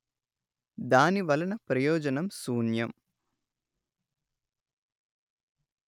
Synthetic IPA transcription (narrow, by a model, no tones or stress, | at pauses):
d̪aːniʋɐlɐnɐpɾɐjɔːd͡ʒɐnɐmsuːnjɐm